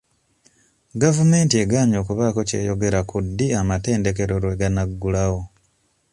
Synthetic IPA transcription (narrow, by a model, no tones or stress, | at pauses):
ɡavume̞ːntie̞ɡaːɲo̞ːkuβaːko̞ce̞̰ːjo̞ɡe̞ɾakʰudːiamate̞ːnde̞ke̞ɾo̞ɾeɡanaɡːulawo̞